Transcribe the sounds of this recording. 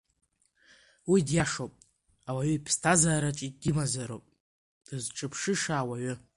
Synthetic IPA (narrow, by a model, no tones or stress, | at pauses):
widjaʂopʼ | awaɥʏipʰstʰazaːɾat͡ʃʼidimazaɾo̰pʼ | d̥ɨzʈ͡ʂʼɨpʰʂɨʂaːwaɥʏ